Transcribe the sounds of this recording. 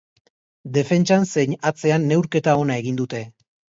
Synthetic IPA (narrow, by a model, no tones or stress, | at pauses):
d̪e̞fe̞nt͡ʃanse̞ɲat͡se̞anːe̞wɾke̞t̪ao̞nae̞ɣ̞ind̪ut̪e̞